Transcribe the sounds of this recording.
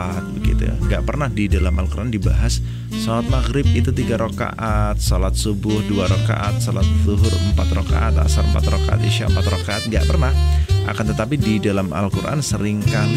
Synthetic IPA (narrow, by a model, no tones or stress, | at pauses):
at̪̚bəɡḭt̪ṵj̰ŋɡaʔpərnahdidalamalkurʔandiba̰ɦas | solat̪̚maɣɾɪb̚it̪ut̪iɡaɾoka̰ʔat̪̚solat̪̚subʊhduaɾoka̰ʔat̪̚solat̪̚ðuɦʊrəmpat̪roka̰ʔat̪a̰saɾəmpat̪rokaa̰t̪iʃaəmpat̪rokaʔat̪̚ŋɡaʔpərnahʔa̰kant̪ət̪apididalama̰lkurʔa̰nsəɾɪŋkan